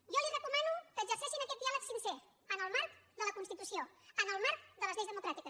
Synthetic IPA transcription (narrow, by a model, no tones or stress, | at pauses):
ʒɔlirəkumanukəːɡzəɾsɛʃinəkɛt̪d̪ialəksinsɛ | ənəlˠmaɾkd̪ələkunst̪it̪usioənəlˠmaɾkd̪ələzʎejzðəmukɾat̪ikə